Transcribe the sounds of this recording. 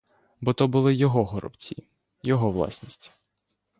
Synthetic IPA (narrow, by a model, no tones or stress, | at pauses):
bɔt̪ɔbʊlˠɪjɔɦɔɦɔɾɔ̰b̥t͡sʲḭ | jɔɦɔʋlˠɑ̰sʲnʲisʲtʲ